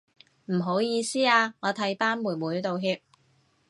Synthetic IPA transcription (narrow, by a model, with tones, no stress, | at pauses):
m̩˨˩ɦo˨˥wjiː˨˧siː˥aː˧ŋɔː˨˧t̪ʰɐ˨˥jpaː˥nmuː˨˩nmuː˨˥jt̪o˨wɦiː˧p̚